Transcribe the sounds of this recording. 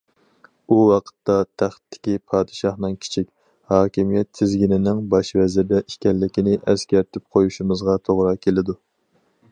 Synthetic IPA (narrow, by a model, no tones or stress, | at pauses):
uwɑqʰə̥t̪ːɑt̪ʰæχt̪ʰːɪ̥kʲipʰɑːd̪ɨʃɑhnɨŋkʲʰi̥t͡ʃʰikʲ | hɑːkʲimijɛt̪ʰːɪzɡʲinɪnɪŋbɑʃvɛzɪɾd̪ɛʔiʃkʲɛlːɪkʲinɪʔɛskʲæɾt̪ʰɪp̚qʰojuʃimɨzʁɑt̪ʰoʁɾɑkʲʰelɪd̪u